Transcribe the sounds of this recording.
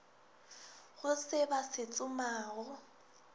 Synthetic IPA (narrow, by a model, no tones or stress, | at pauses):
ɣʊsɪbasɪt͡sʼʊmaːɣʊ